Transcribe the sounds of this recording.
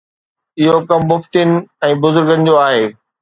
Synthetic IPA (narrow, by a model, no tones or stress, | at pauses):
ɪɦokɐmːʊft̪in̆ɛ̃ːbʊzʊɾɡə̃nɪ̆d͡ʑoaːɦeː